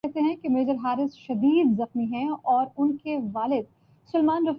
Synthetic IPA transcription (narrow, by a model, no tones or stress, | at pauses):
ɛɦt̪eɦɛ̃kemeːzəɾɦaːɾɪsʃɐd̪iːd̪zɐxmiɦɛ̃ɔːɾʊnkeʋaːlɪd̪̚ | sʊlmaːnɾɐf